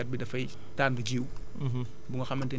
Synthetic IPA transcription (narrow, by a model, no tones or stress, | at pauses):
ɐt̚bidɐfɐj | taːnbud͡ʒiːw | buŋɡɐxɐmːɐntɛːn